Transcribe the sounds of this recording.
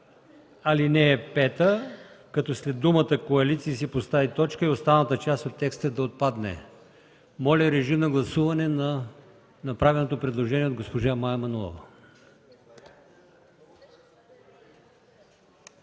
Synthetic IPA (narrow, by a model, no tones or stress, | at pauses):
ɐlinɛːpɛt̪əkɐt̪ɔslɛd̪ːumət̪əkoɐlit̪siːs̬ipost̪avit̪ɔt͡ʃkəiost̪avnət̪ət͡ʃast̪ot̪ːɛkst̪əd̪ɐot̪̚pad̪nɛ̰ | mɔlʲɐɾɛʒimnɐɡlˠɐsuvɐnɛnɐ | nɐpɾavɛlnot̪opɾɛd̪lˠoʒɛniɛod̪ɡospoʒamajɐmɐnulˠɔ̰vɐ